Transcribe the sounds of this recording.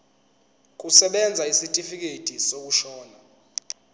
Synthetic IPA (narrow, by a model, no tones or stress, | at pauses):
k̬ʼusɛɓɛnd͡zʱaisitʼifik̬etʼisok̬uʃɔːna